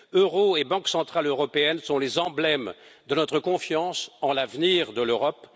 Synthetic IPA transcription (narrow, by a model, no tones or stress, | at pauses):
øʁoebɑ̃ksɑ̃t̪χaløʁɔpeɛnsɔ̃lezɑ̃blɛmd̪ənɔt̪χəkɔ̃fjɑ̃sɑ̃lavniʁd̪əløʁɔp